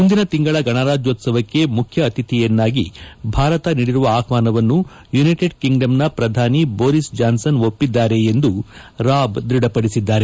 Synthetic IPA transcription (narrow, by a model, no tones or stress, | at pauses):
mund̪inɐt̪iŋɡɐɭɐɡɐɳaːɾaːd͡ʒjo̞ːt̪sɐʋɐkːe̞mukʰjɐːt̪it̪ijɐnːaːɡibʱaːɾɐt̪ɐniːɽiɾuʋɐaːkʋaːnɐʋɐnːu | junɐjʈeɖkiŋɡɖɐmnɐpɾɐd̪ʱaːniboːɾisd͡ʒaːnsɐnopːid̪ːaːɾe̞ːnd̪uɾaːbd̪ɾiɽɐpɐɽisid̪ːaːɾe